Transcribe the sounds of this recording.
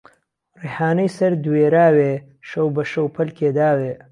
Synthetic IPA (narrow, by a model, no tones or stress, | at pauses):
ɾehaːnəjsɐɾd̪weːɾaːwe | ʃowbɐʃowpʰɐlkeːd̪aːwe